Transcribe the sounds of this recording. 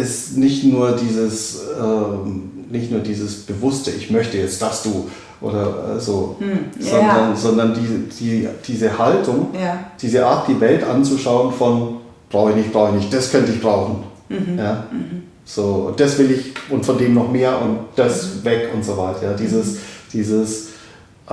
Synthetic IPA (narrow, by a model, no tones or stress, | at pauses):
ʔɪstnɪçtnuːɐdiːzəsɛːm | nɪçtnuːɐdiːzəsb̥əvʊstəɪçmœçtəjɛt͡std̥asd̥uː | ʔo̰ːdɐʔɛ̰ːzoːzɔndɐnzɔndɐndiːd̥iːd̥iːzəhaltʊŋd̥iːzəʔaːɐt̚d̥iːvɛltʔant͡suʃaʊənfɔn | b̥ʁaʊxəçnɪçb̥ʁaʊxɪəçnɪçt̚d̥askʰœntəɪçb̥ʁaʊxn̩ | jaː | z̥oːʊ̰nd̥asv̥ɪlɪçʔʊntfɔndeːmnɔχmeːɐʔʊnt̚d̥asvɛkʰʊntz̥ovaɪtɐjaːdiːzəsd̥iːzəs